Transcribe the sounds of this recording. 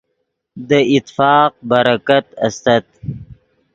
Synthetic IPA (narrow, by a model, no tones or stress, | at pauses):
d̪əɪt̪fɑːq̚baɾakat̪ast̪at̪̚